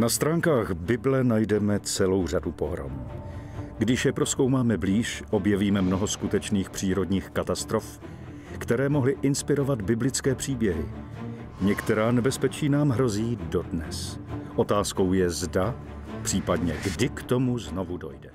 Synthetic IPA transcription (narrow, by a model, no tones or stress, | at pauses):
nast̪ɾaːŋkaːɣbɪblɛnajdɛmɛt͡sɛlo̞wr̝adupo̞̰ɦɾo̰mu | ɡdɪʃjɛpɾo̞sko̞wmaːmɛbliːʃʔo̞bjɛviːmɛmno̞ɦo̞skut̪ɛt͡ʃniːxpr̝̥iːɾo̞dɲiːxkat̪ast̪ɾo̞f | kt̪ɛɾɛːmo̞ɦlɪʔɪnspɪɾo̞vad̪bɪblɪt͡skɛːpr̝̥iːbjɛɦɪ | ɲɛkt̪ɛɾaːnɛbɛspɛt͡ʃiːnaːmɦɾo̞ziːdo̞dnɛsʔo̞t̪aːsko̞wjɛzda | pr̥iːpadɲɛɡdɪkt̪o̞muzno̞vudo̞̰jdɛ